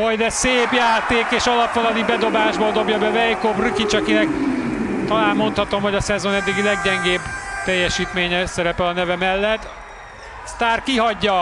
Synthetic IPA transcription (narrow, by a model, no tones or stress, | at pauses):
ho̞jd̪ɛseːpjaːt̪eːkeːʃɒlɒpvonɒlibɛd̪o̞baːʒbod̪o̞bjɒbɛvɛjkobrykit͡ʃɒkinɛk̚ | t̪ɒlaːnmo̞nt̪hɒt̪o̞mɦo̞ɟɒsɛzo̞nɛd̪ːiɡilɛɡɟɛŋɡeːbt̪ɛjːɛʃiːt̪meːɲɛsɛɾɛpɛlɒnɛvɛmɛlːɛt̪ː | st̪aːrkiɦɒɟːɒ